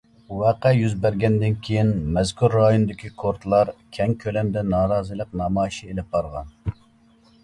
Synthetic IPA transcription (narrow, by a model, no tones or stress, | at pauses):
wɛqɛjyzbæɾɡʲɛnd̪ɪnkʲʰejinmɛzkʰuɾːɑjonɨd̪ɪkʲikʰoɾt̪lˠɑɾkʲʰɛŋkʲʰølɛmd̪ɛnɑːɾɑːzɨlˠəq̚nɑmɑːjʃielɪp̚bɑɾʁɑ̰n